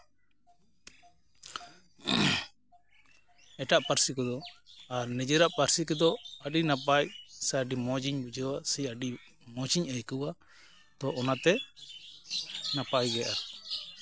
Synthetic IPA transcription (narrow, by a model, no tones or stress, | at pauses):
ɛʈaʔpaɾsikɔd̪ɔaɾnɛd͡ʒɛɾaʔpaɾsikɛd̪ɔəɖinap̬ac̚saɖimɔd͡ʒiɲbud͡ʒəwasiəɖi | mɔd͡ʒiɲəjkəwa | t̪ɔʔɔnat̪ɛ | napajɡɛjʔaɾ